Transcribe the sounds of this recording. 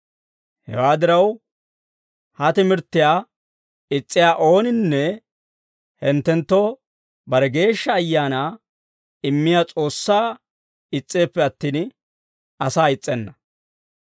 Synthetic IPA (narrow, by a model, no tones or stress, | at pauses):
hɛ̰waːd̪ɪɾɐw | hɐt̪ɪmɪɾt̪ːɪjaː | ɪt͡sʼːɪjaːʔo̞ːnɪnːɛ | hɛnt̪ːɛnt̪ːɔ | bɐɾɛɡe̞ːʃːɐːjːaːnaː | ɪmːɪjaːt͡sʼo̞ːsːaː | ɪt͡sʼːe̞ːpːɛɐt̪ːiːn | ɐsaːɪt͡sʼːɛnːɐ